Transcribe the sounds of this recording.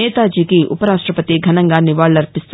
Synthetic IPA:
eːt̪aːd͡ʒiːkiʔʊ̰pɐɾaːʂʈɾɐpɐt̪iɡʱɐnɐŋɡanɪʋaːɭːɐɾpɪst̪

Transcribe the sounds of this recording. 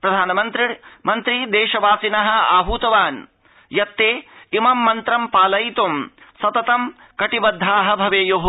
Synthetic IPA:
pɾɐd̪ʱaːnɐmɐnt̪ɾimɐnt̪ɾid̪eːʃɐʋaːsinɐɦɐ̆aːɦuːt̪ɐʋaːn | jɐt̪ːeːimɐmːɐnt̪ɾɐmpaːlɐjt̪umsɐt̪ɐt̪ɐm | kɐʈibɐd̪ʱːaːɦɐ̆bʱɐʋeːjoːɦu

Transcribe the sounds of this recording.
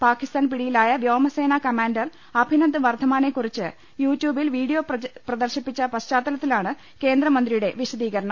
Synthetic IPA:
paːkːist̪aːnpiɽijilaːjɐʋjoːmɐse̞ːnakɐmaːnɖɐr | ɐbʱinɐnd̪ɨʋɐrd̪ʱɐmaːnekːurit͡ɕːɨ | juːtːjuːbilʋiːɽijo̞ːpprɐd̪ɐrɕipːit͡ɕːɐpɐɕt͡ɕaːt̪ːɐlɐt̪ːilaːɳɨ | ke̞ːnd̪ɾɐmɐnd̪ɾijuɽe̞ʋiɕɐd̪iːɣɐɾɐɳɐ

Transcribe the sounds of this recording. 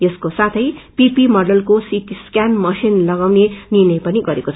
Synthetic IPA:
jʌskosat̪ʰʌjpipimʌrɖʌlkosiʈiskjanmʌsinlʌɡawnenirnʌjpʌniɡʌɾekot͡sʰ

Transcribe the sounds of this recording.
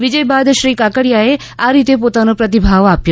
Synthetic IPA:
ʋid͡ʑəjbad̪ʃɾiːkakəɽjae | aɾiːt̪ep̬ot̪anopɾɐt̪̬ibʱaʋapjo

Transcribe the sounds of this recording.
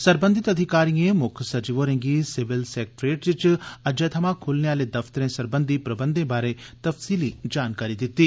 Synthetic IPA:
sɐɾbə̃nd̪ɪt̪ɐd̪ʱɪkaːɾijẽmʊkʰsɐd͡ʒiʋoːɾẽŋɡisɪʋɪlseːk̚ʈɾeːʈd͡ʒɪt͡ʃɐd͡ʒeːt̪ʰɐmãkʰulneaːled̪ɐft̪əɾẽsɐɾbənd̪ʱipɾɐbə̃nd̪ʱẽbaːɾet̪ɐfsiːlid͡ʒaːnkaːɾid̪ɪt̪ːi

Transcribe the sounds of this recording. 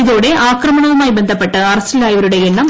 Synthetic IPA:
iðo̞ːɽe̞ʔaːkrɐmɐɳɐʋumaːjbend̪ʱɐpːe̞ʈːɐɐrɐstilaːjɐʋɐɾuɽe̞jeɳːɐm

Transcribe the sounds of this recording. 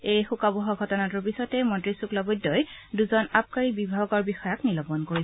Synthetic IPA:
ejxukabɔɦɔɡʱɔtɔnatʊɹpisɔtɛmɔntɹisuklɔbɔdːɔjduzɔnap̚kaɹibibʱaɡɔɹbixɔjɔknilɔbɔnkoɹisɛ

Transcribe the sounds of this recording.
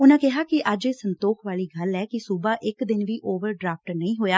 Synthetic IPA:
ʊnãːkɪɦaːkɪʔəd͡ʒeːsənt̪oːkʰʋaːliːɡəlɛːkɪsubaːʔɪkd̪ɪnʋiːʔoːʋəɾɖɾaːp̚ʈnəĩːɦoːjaː

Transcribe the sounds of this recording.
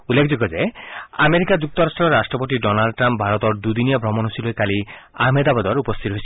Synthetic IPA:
ulːekʰd͡ʒiɡɔd͡ʒea̰meɾikad͡ʒuk̚t̪ɔɾasʈɾɔɾasʈɾɔpotiɖɔnalɖɔʈɾamp̚bʱaɾɔt̪ɔɾd̪ud̪inijɔbʱɾɔmɔnɦosilojkali | a̰med̪abɔd̪ɔɾupɔst̪ʰit̪ɔɦojsʰi

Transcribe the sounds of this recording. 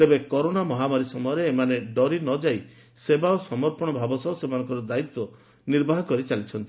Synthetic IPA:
t̪ebekɔɾonamɔɦamaɾisɔmɔjɔɾeːmaneɖɔɾinɔd͡ʒaj | sebaosɔmɔɾpɔɽ̃ɔbʱabɔsɔsemanɔŋkɔɾɔd̪ait̪wɔ | niɾbʱaɦɔkɔɾit͡ʃalit͡ʃʰɔnt̪i

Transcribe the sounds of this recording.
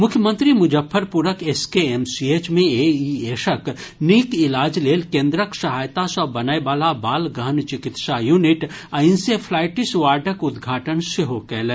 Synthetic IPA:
mʊkʰjəmə̃nt̪ɾimʊd͡ʒəfʰːəɾpuɾəkeskeemsieːt͡ʃmẽeieːʃəkniːkɪlaːd͡ʒleːlkẽːnd̪ɾəksɐɦaːjt̪asəbɐnaːeʋaːlabaːlɡəɦənt͡ʃɪkɪt̪ʃajuːnɪʈɐɪnsepʰlaːɪʈɪsʋaːɾɖʱəkʊd̪ɡʱaːʈənseɦoːkɛːl

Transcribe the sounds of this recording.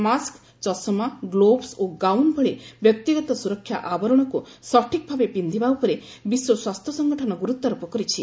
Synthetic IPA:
mask | t͡ʃɔsɔmaɡlobsoɡawnbʱɔɭebjɔk̚t̪iɡɔt̪ɔsuɾɔkʰːja̰ʔabɔɾɔɽ̃ɔkusɔʈʰikɔbʱabepind̪ʱibawpɔɾe | biswɔswast̪ʰjɔsɔŋɡɔʈʰɔnɔɡuɾut̪ːɔɾɔpɔkɔɾit͡ʃʰi

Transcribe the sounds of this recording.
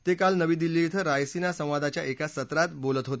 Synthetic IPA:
t̪ekalnəʋiːd̪ilːit̪ʰəɾajsinasə̃w̃ʋad̪at͡ɕjaʔekasət̪ɾat̪bolət̪ɦot̪e

